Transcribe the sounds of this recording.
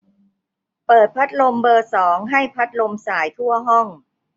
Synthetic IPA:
pɤː˨˩t̪̚pʰa˦˥t̪̚lo˧mbɤː˧sɔː˩˦ŋɦa˥˩jpʰa˦˥t̪̚lo˧msaː˩˦jt̪ʰu˥˩ɐɦɔ˥˩ŋ

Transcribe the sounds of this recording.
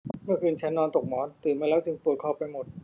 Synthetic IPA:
mɯ˥˩ɐkʰɯː˧nt͡ɕʰa˦˥nːɔː˧nt̪o˨˩k̚mɔː˨˦˥nt̪ɯː˨˩nma˧lɛː˦˥wt͡ɕɯ˧ŋpu˨˩əkʰɔː˥˩wpa˧jmo˨˩t̪̚

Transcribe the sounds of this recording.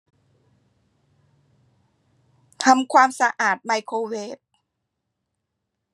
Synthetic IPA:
t̪ʰa˧mkʰwaː˧msa˧ʔaː˨˩t̪̚ma˧jkʰoː˧weː˦˥p̚

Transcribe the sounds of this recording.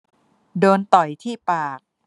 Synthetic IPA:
doː˧nt̪ɔ˨˩jt̪ʰiː˥˩paː˨˩k̚

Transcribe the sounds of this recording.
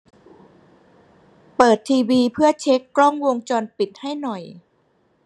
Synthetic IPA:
pɤː˨˩t̪ʰːiː˧wiː˧pʰɯ˥˩ɐt͡ɕʰe˦˥kːɾɔ˥˩ŋwo˧ŋt͡ɕɔː˧npi˨˩t̪̚ha˥˩jnɔ˨˩j

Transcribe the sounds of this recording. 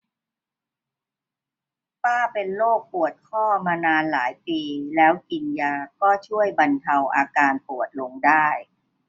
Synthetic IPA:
paː˥˩pe˧nloː˥˩k̚pu˨˩ət̪̚kʰɔː˥˩maː˧naː˧nla̰ː˩˦jpiː˧lɛː˦˥wki˧njaː˧kɔː˥˩t͡ɕʰu˥˩əjba˧nt̪ʰa˧wʔaː˧kaː˧npu˨˩ət̪̚lo˧ŋdaː˥˩j

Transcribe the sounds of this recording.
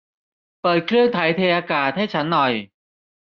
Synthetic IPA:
pɤː˨˩t̪̚kʰɾɯ˥˩əŋt̪ʰa˩˦jt̪ʰeː˧ʔaː˧kaː˨˩t̪̚ha˥˩jt͡ɕʰa˦˥nːɔ˨˩j

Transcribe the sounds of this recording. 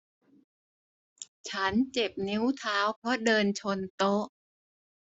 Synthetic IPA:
t͡ɕʰa˦˥nt͡ɕe˨˩p̚ni˦˥wt̪ʰaː˦˥wpʰɾɔ˦˥dɤː˧nt͡ɕʰo˧nt̪o˦˥ʔ

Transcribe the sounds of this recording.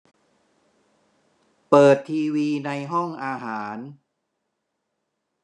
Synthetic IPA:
pɤː˨˩t̪ʰːiː˧wiː˧na˧jɦɔ˥˩ŋʔaː˧ɦaː˩˦n

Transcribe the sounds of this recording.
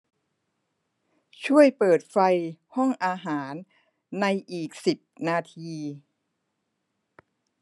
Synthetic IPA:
t͡ɕʰu˥˩əjpɤː˨˩t̪̚fa˧jhɔ˥˩ŋʔaː˧ɦaː˩˦nː | a˧jʔiː˨˩k̚si˨˩p̚naː˧t̪ʰiː˧

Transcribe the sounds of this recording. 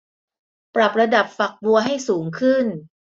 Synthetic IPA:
pɾa˨˩p̚ɾa˧da˨˩p̚fa˨˩k̚wu˧ɐɦa˥˩jsuː˩˦ŋkʰɯ˥˩n

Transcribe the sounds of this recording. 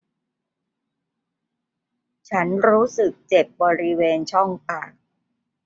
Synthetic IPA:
t͡ɕʰa˦˥nɾuː˦˥sɯ˨˩k̚t͡ɕe˨˩p̚bɔː˧ɾi˦˥weː˧nt͡ɕʰɔ˥˩ŋtaː˨˩ŋ

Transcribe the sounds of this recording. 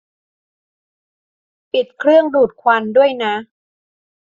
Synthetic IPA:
pi˨˩t̪̚kʰɾɯ˥˩əŋduː˨˩t̪̚kʰwa˧ndu˥˩əjna˦˥

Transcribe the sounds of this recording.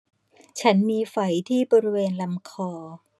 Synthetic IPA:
t͡ɕʰa˦˥nmiː˧fa˨˩jt̪ʰiː˥˩bɔː˧ɾi˦˥weː˧nla˧mkʰɔː˧

